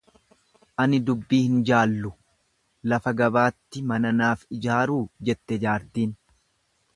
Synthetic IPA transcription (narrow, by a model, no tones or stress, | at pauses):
ʔɐnɪd̪ʊbːiːhɪnd͡ʒaːlːʊ | lɐfɐɡɐbaːt̪ːɪmɐnɐnaːfɪd͡ʒaːɾuːd͡ʒɛt̪ːɛd͡ʒaːɾt̪iːn